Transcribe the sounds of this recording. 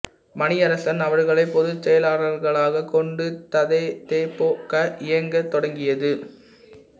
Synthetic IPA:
mɐnɪɐɾɐsɐnɐʋɐɾɣɐɭɐɪpɔðɯt͡ʃːɛjɐlaːɽɐɾɣɐɭaːɣɐkɔɳɖɯt̪ɐðɐɪt̪eːpoːkːɐʔɪjɐŋɡɐt̪ːɔɽɐŋɡɪjɐðɯ

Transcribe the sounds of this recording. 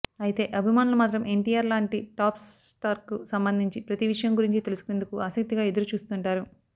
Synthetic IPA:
ɐjit̪e̞ːʔɐbʱimaːnulɐmaːt̪̬ɾɐmʔe̞ɳʈiːaːɾlaːɳʈiʈaːpsʈaːɾkusɐmbɐnd̪ʱiɲt͡ʃipɾɐt̪iʋiʂɐjɐmɡuɾiɲt͡ʃit̪e̞lusu̥kone̞nd̪ukuaːsɐk̚t̪iɡaːe̞d̪uɾut͡ʃuːst̪uɳʈaːɾu

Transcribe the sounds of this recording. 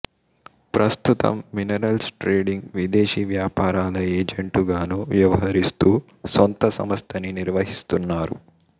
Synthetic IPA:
pɾʔɐst̪ut̪ɐ̰mːinɐɾɐlsʈɾeːɖiŋɡʋid̪eːʃiːʋjaːpaːɾaːlɐeːd͡ʒeɳʈuɡaːnuʋjɐʋɐɦɐɾist̪uː | sont̪ɐsɐ̰mɐst̪ʰɐniniɾʋɐɦist̪unːaːɾṵ

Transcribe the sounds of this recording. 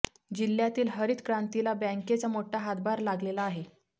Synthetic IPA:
d͡ʑil̤jat̪iːlɦəɾiːt̪kɾãnt̪ilabɛ̃ŋket͡samoʈʰaɦat̪̚bʱaɾlaɡlelaːɦe

